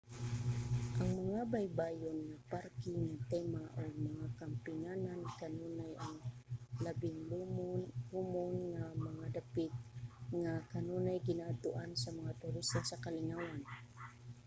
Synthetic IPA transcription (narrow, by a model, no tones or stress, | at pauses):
ʔɐŋmɐŋabajbaːjonːapaɾkɪŋat̪ɛmaʔoɡmɐŋakampɪnanankɐnuːnajaŋlɐbɪŋ | lumʊnŋamɐŋad̪apɪt̪̚ŋakɐnuːnajɡɪnat̪ʊʔansɐmɐŋat̪ʊɾist̪asɐkɐlɪnawan